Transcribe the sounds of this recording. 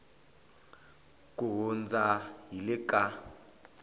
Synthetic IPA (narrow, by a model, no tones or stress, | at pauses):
kʼuɣʊnd͡zajilɪkʼa